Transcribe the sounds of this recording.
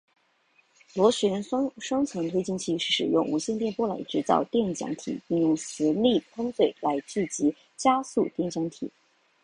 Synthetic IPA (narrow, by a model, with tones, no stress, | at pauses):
lwɔ˧˥ɕɥɛ˧˥n˥ʂwɑ˥ŋt͡sʰwɤ˧˥ŋt̪ʰwe˥ɪt͡ɕi˥˧ŋt͡ɕʰi˥˩ʂɻ̩˥˩ʂɻ̩˨˩jʊ˥˩ŋu˧˥ɕjɛ˥˧nt̪jɛ˥˧npwɔ˥la̰˧˥ɪʈ͡ʂɻ̩˧˥t͡sɑ̰˥˧ʊt̪jɛ˥˩nt͡ɕjɑ̰˧˥ŋt̪ʰḭ˨˩˦pi˥˧ŋjʊ˥˩ŋsɹ̩˧˥li˥˩pʰɤ˥ŋt͡swe˥˩ɪla˧˥ɪt͡ɕy˥˩t͡ɕi˧˥ | t͡ɕja˥su˥˧t̪jɛ˥˩nt͡ɕjɑ˧˥ŋt̪ʰḭ˨˩˦